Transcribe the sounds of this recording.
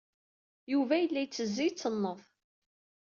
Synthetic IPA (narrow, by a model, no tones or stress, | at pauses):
juvæjəlːæjt͡sːəzːijt͡sːənːəðˤ